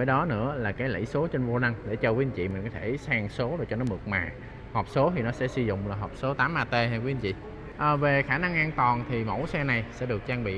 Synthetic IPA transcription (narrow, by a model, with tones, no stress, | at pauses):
ə˨˦ɗɔ˨˦nɨ̰˧˥əlaː˨˩kaː˨˦jlə̰˧˩jso˨˦t͡ɕe˧nvo˧na˧ŋɗe˧˩t͡ɕɔ˧kwɲt͡ɕḭ˧˨mi̟˨˩kɔ˨˦t̪ʰe˧˩saː˧ŋso˨˦zo˨˩jt͡ɕɔ˧nɔ˨˦mɨ˨˩ək̚maː˨˩ | hɔː˨˩p̚so˨˦t̪ʰi˨˩nɔ˨˦sɛ̰˧˥sɨ˧zʊ̰˧˨ŋ͡mlaː˨˩ɦɔː˨˩p̚so˨˦t̪aː˨˦mʔaː˧t̪e˧haː˧kwnt͡ɕḭ˧˨ | ʔəː˨˩ve˨˩xaː˧˩na˧ŋʔaː˧nt̪wɔː˨˩nt̪ʰi˨˩mo̰˧˥˩jsɛ˧na˨˩jsɛ̰˧˥ɗɨ˨˩ək̚t͡ɕaː˧ŋɓḭ˧˨